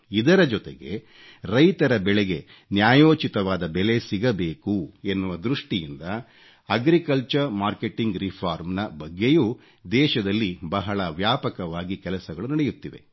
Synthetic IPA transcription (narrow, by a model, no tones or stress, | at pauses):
id̪ɐɾɐd͡ʒɔt̪e̞̰ɡe̞̰ | ɾɐjt̪ɐɾɐbɛɭeɡe̞ | njaːjoːt͡ʃit̪ɐʋaːd̪ɐbɛle̞siɡɐbe̞ːkuenːuʋɐd̪ɾuʂʈijind̪ɐ | ɐɡɾikɐlt͡ʃɐɾmaːɾke̞ʈiŋɡɾipʰaːɾmnɐbɐɡːe̞juː | d̪ɛːʃɐd̪ɐlːibɐɦɐɭɐʋjaːpɐkɐʋaːɡikɛlɐsɐɡɐɭunɐɽejut̪ːiʋe̞̰